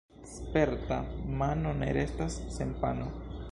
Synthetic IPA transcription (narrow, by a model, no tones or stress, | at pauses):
spe̞ɾtamano̞ne̞̰ɾʔe̞stasːe̞npa̰no̞